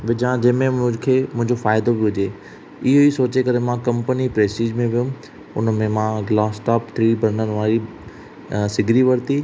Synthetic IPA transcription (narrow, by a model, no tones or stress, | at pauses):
ʋɪd͡ʑãd͡ʑɐ̃ːmẽkʰeːmʊ̃ɦɪ̃ɲd͡ʑofaːɪd̪obɪɦʊd͡ʑe | ɪɦoisoːt͡ɕekɐɾemãkɐ̃mpənipɾeːsʈiːd͡ʑmẽʋijũ | ʊ̰nəmẽmãɡlaːsʈaːpt̪ʰɾiːbəɾnənɪ̆ʋaːɾi | sɪɡʱɾiʋɐɾt̪iː